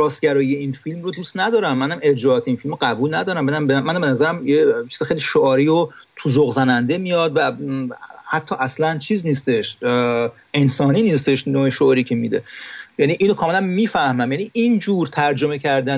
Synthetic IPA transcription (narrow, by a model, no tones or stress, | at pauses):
ɾɒːst̪̚ɟæɾɒːjijeinfilmrod̪uːst̪næd̪ɒːɾæmːænæme̞ɾd͡ʒɒːɒːt̪ʰeinfilmoɢæbuːlnæd̪ɒːɾæmbenæmbemːænæmbenæzæɾæmjet͡ʃʰiːz̥ixejliʃoɒːɾiot̪ʰuzoɣzænænd̪e̞mijɒːd̪væ | hæt̪ʰːɒːʔæslænt͡ʃʰiːzniːst̪e̞ʃ | e̞nsɒːniːniːst̪e̞ʃnoːeʃoʔɾiːcʰemid̪e̞̰jæniʔiːnokʰɒːme̞lænmiːfæhmæmjæniʔind͡ʒuːɾt̪ʰæɾd͡ʒo̞me̞cʰæɾd̪æn